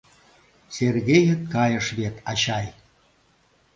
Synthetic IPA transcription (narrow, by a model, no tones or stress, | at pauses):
serɣejə̆t̪̚kɑjə̆ʃβet̪ʰɑɕɑj